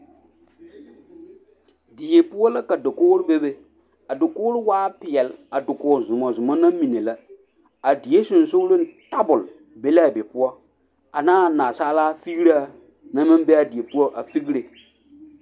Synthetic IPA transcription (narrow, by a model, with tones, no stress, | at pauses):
di˨je˨pʊ˦ɔ˦la˦ka˨da˨koː˦ɾɪ˦be˦be˦ | a˨dʊ˨kʊː˦ɾɪ˦waː˦pɪ˨ɛ˨la˨dʊ˨kʊː˨zʊ˨mɔ˨zʊ˨mɔ˦na˦mĩ˨ne˨la˦ | a˨di˨˦e˦sʊ˨n˨so˦ɾe˦n˦ta˦bʊ˨l | be˦la˦˨be˨pʊ˦ɔ˦ | a˨naː˦˨naː˨saː˦laː˦fi˦ɡi˦ɾa˦˨ | nã˦mɪ̃˦m˦be˦a˨di˨e˨pu˦ɔ˦ʔa˨fi˦ɡɾe˨